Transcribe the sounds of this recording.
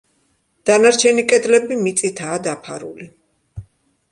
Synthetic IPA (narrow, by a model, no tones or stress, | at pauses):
d̪̥anaɾt͡ʃʰɛnikʼɛd̪lɛbimit̪sʼit̪ʰaːd̪apʰaɾṵli